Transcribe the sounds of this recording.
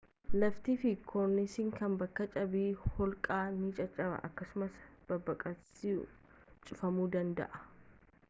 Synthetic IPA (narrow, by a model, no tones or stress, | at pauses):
lɐft̪iːfɪkʰɔɾnɪsɪŋkɐnbɐkːɐt͡ʃʼɐbiːhɔlkʼaːnɪt͡ʃʼɐt͡ʃʼɐbɐ̰ʔɐkːɐsʊmɐsb̥ɐbːɐkʼɐsi | t͡ʃʼʊfɐmuːd̪ɐnd̪ɐ̰ʔɐ̥